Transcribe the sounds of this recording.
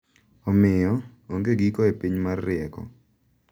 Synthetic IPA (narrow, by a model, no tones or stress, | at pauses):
ɔmɪjɔ | oŋɡeɡikɔepiɲmarːɪɛkɔ̰